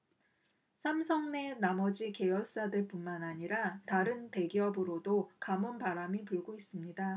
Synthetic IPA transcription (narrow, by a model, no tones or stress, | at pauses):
sʰamsʰʌŋne̞namʌd͡ʑike̞jʌɭs͈adɯɭp͈unmanaɲiɾataɾɯnpe̞ɡiʌbɯɾodokamunpaɾamipuɭɡois͈ɯmɲida